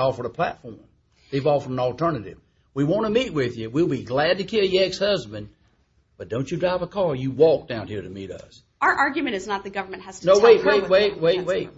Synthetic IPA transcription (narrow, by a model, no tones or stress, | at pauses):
ɔfə˞ɾəpʰl̥æ̰tfɔɹm | ðeɪvɔfə˞ɾ̃n̩l̩ˠtʰɜ˞nɨɾɪ̰v̥ | wiwɑ̃ñəmit̚wɪðjɨwilˠbiɡlæd̚tɨkʰɪlˠjɛkshʌzbɨ̃n | b̥ʌt̚d̥õʊ̃nt͡ʃɨdɹaɪvəkʰɑɹjɨwɔk̚d̥ãʊ̃nhiɹɾɨmḭɾʌ̰s | ə˞ʔɑɹɡjɨmɨ̃ñɨznət̪̚ðɨɡʌvə˞mɨ̃nthɨz̥tnoʊweɪt̚weɪt̚weɪt̚weɪweɪt̚